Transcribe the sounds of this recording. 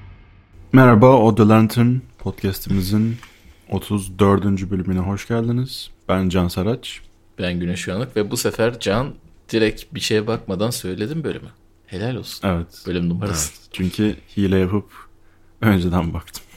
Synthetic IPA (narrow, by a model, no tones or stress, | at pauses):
mɛɾabaod̪elˠant̪ʰynpʰot̪cʰæst̪ʰimizin | o̞t̪ʰuzd̪ø̞ɾd̪ynd͡ʒybølʲymynɛɦo̞ʃɟalʲˠd̪inɯz̥b̥ænd͡ʒansaɾat͡ʃ | b̥ænɟynɛʃujanˠɯkvɛbusefæɾd͡ʒand̪̥iɾɛcbiʃe̞jɛbak̚mad̪ansø̞jlʲe̞d̪imbølʲy̰my | he̞lʲælʲolˠsu̥nevɛt̪b̥ølʲymnumaɾɯst͡ʃʰyɲcʰyhiːlʲɛjapʰɯp | ø̞nd͡ʒɛd̪ænbak̚t̪ʰɯ̥m